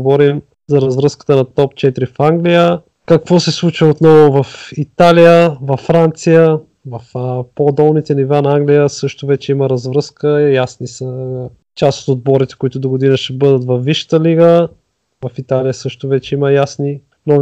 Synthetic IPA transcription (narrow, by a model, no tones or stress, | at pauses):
vɔɾim | zɐɾɐzvɾɤskə̥t̪ənɐt̪ɔpt͡ʃɛt̪iɾifaŋɡlijə | kɐkvɔsɛslˠut͡ʃvəot̪nɔvʊvɐfit̪alijəvɐfːɾant̪sijə | vɐfəpod̪ɔlˠnit̪ɛnivanɐaŋɡlijəsɤʃt̪ʊvɛt͡ʃɛiməɾɐzvɾɤskəjasnisə | t͡ʃaso̥t̪od̪̚bɔɾit̪ɛ̥kʊit̪ʊd̪oɡod̪inəʃɛbɤd̪ət̪vɐfviʃə̥t̪əliɡə | vɐfit̪alijəsɤʃt̪ʊvɛt͡ʃɛiməjasni | nɔ